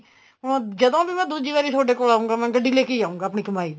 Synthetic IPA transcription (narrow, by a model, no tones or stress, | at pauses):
d͡ʒəd̪õːbiːmɛ̃ːd̪uːd͡ʒiːʋaːɾiːt̪ʰoːɖeːkoːlaːũŋɡaːmɛ̃ːɡəɖiːleːkeiːaːũːŋɡaːəpɳiːkəmaːiː